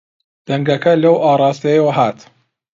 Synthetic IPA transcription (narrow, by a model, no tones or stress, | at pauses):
d̪̥ɐŋɡɐkʰɐlɐwʔaːrˤɑːst̪ɐjewɐɦaːt̪